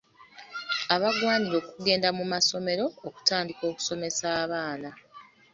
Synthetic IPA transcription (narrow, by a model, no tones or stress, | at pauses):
aβaɡwaːɲiɾo̞ːkuɡe̞ːndamumaso̞me̞ɾo̞ːku̥taːndiko̞ːku̥so̞me̞saːβaːna